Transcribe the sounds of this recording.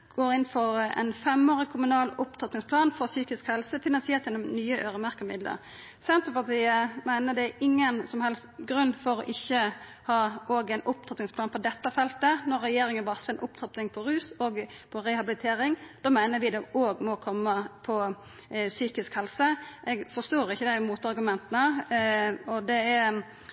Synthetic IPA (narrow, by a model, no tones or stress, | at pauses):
ɡ̥oːɾɪnfɔɾɛ̰nfɛmoːɾɪkʰʊmʉnɑːlʊpt̪ʰɑt̪nɪŋspʰlɑːnfɔsyːkɪskhɛlsəfɪnɑnsɪɛt̪jɛnːɔmnyːəʔøːɾəmæʁkːəmɪ̰d̪lə̰ɾ | sɛnt̪ɾəpɑt̪ʰiːəmæɪnəd̪ɛæɪŋːənsɔmhɛlst̪ɡɾʉnːfɔɾɔ̰ʔɪçːə | hɑːʔoːɡɛɪnʔʊp̚t̪ʰɑt̪nɪŋsplɑːnpʰɔd̪ɛt̪ːəfɛlt̪ənɔɾːɛjeːɾɪŋənʋɑsəɛnʔʊp̚t̪ʰɑt̪nɪŋpʰɔɾʉːsɔːɡpʰɔɾɛhɑbɪlɪt̪ʰeːɾɪŋd̪̥oːmæɪnəɾʋɪd̪ɛoːɡmɔkʰɔmːəpʰɔ | syːkɪskhɛlsəʔɛːɡfɔst̪oːɾɪçːəd̪æɪmuːt̪ɑɾɡʉmɛnt̪ənə | ɔd̪ɛæɾ